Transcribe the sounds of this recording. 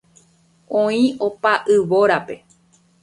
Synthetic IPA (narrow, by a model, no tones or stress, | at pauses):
õĩo̞paʔɨʋoɾape̞